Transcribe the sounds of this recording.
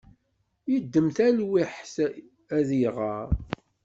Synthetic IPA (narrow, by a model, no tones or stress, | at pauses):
jəd̪ːəmθælwiħs | æðiʁəɾˤ